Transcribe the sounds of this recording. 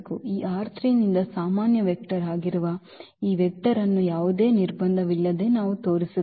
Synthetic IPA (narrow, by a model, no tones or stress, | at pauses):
kuiːʔaːɾt̪ʰɾinind̪ɐsaːmaːnjɐʋek̚ʈɐɾaːɡiɾuʋɐ | iːʋɛk̚ʈɐɾɐnːujaːʋud̪e̞ːniɾbɐnd̪ʱɐʋilːɐd̪e̞ːnaːʋut̪o̞ːɾisu